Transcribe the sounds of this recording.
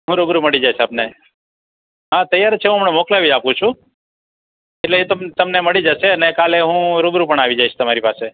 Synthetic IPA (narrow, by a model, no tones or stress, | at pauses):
ɦũɾubɾuməɭid͡ʒajʃʰapne | ɦãt̪əjaɾt͡ʃʰeɦũɦəmɳemoklaʋid͡ʒapũt͡ʃʰũ | eʈleet̪əmt̪əmneməɭid͡ʒaʃeənekaleɦũɾubɾupəɳaʋid͡ʒaiʃʰt̪əmaɾipase